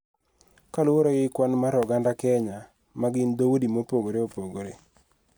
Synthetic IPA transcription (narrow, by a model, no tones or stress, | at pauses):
kalʊwoɾojɪkwanmaɾɔɡandakɛɲa | maɡɪnd̪owudimopoɡoɾeopoɡoɾe